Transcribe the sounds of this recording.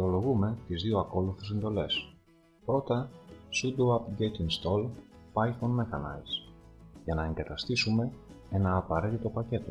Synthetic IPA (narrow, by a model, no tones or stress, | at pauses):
eo̞lo̞ɣume̞t̪izðio̞ɐko̞luθes̬e̞nd̪o̞le̞s | pɾo̞t̪ɐsud̪uɐpɟet̪iŋst̪o̞l | pɐiθonmexɐnɐ̰jzʝɐnɐe̞ŋɡɐt̪ɐst̪isume̞ | e̞nɐːpɐɾe̞t̪it̪o̞pɐce̞t̪o̞